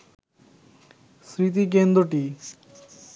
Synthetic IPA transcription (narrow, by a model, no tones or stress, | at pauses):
sɾit̪̬ik̬end̪ɾoʈi